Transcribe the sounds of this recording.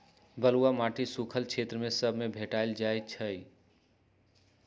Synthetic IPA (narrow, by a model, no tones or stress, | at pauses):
bəluamaːʈʰisukʰəlkʰeːt̪ɾəmẽsəbʱmẽbʱeʈaɪld͡ʒaːet͡ʃʰəi